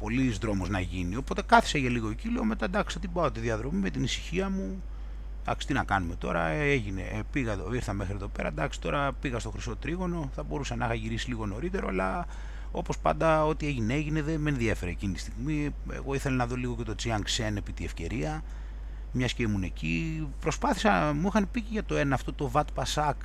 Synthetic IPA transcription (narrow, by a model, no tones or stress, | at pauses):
po̞lizðɾo̞moznɐʝinio̞po̞t̪e̞kɐθi̥seʝeliɣociloome̞t̪ɐd̪ɐksi̥t̪ibɐot̪iðiɐðɾo̞mime̞t̪inisi̥çiɐmu | d̪̥ɐ̰ksi̥t̪inɐkɐnume̞t̪o̞̰ɾɐ̰eʝine̞̰piɣɐðoiɾθɐme̞xɾieðo̞pe̞ɾɐ̰d̪ɐksi̥t̪o̞ɾɐpiɣɐst̪o̞xɾiso̞t̪ɾiɣo̞no̞θɐbo̞ɾusɐnɐxɐʝiɾisiliɣo̞no̞ɾit̪e̞ɾo̞alɐ | o̞po̞spɐ̰nd̪ɐo̞t̪ie̞ʝineeʝineðemenðie̞fe̞ɾeecinit̪i̥st̪iɣmi | ḛɣo̞iθe̞lɐnɐðo̞liɣo̞ce̞t̪o̞t͡siɐŋksenepit̪ie̞fce̞̰ɾiɐ | mɲɐscemune̞cipɾo̞spɐθi̥sɐmuixɐnpiciʝɐt̪o̞e̞nɐːft̪o̞t̪o̞vɐt̪pɐsɐk